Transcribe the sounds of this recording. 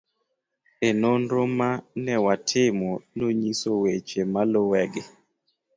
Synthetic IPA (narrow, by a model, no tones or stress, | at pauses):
enonɾomanɛwatʰɪmɔnoɲisowet͡ʃemalowɛɡɪ